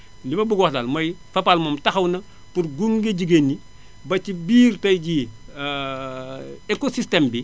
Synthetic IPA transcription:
dimɐbuɡwɔxtalmɐjfɐpalmɔmtɐxɐwnɐ | purɡuŋɡeɟiɡenːi | bɐcibiːrtɐjɟi | ɛkosistɛmbi

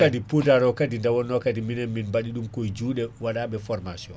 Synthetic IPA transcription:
adipudaɾɔkadindawɔnːɔkadiminɛnminbaɗiɗumkɔjd͡ʒuːɗɛwaɗaɓɛfɔɾmasiɔ̰n

